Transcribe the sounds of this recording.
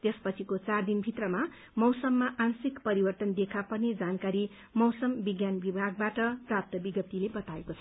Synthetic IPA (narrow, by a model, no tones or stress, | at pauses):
t̪espʌt͡sʰikot͡sard̪inbʱit̪rʌma | mʌwsʌmːaʔansikpʌɾibʌrt̪ʌnd̪ekʰapʌned͡zankaɾi | mʌwsʌmbiɡjanbibʱaɡ̚baʈʌprap̚t̪ʌbiɡʌp̚t̪ːilebʌt̪aekot͡sʰʌ